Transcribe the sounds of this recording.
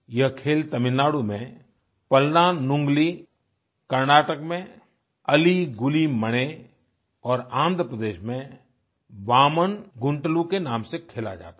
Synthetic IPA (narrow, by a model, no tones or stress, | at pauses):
jɐɦkʰeːlt̪əmɪlːaːɽumẽ | pəlnanʊ̃ŋɡli | kəɾnaːʈəkmẽ | əliɡʊliməɽ̃e | ɔːɾãːnd̪ʱɾəpɾəd̪eːʃmẽ | ʋaːmənɡʊ̃ɳʈlukenãːmsekʰeːla̰d͡ʒa̰ːt̪a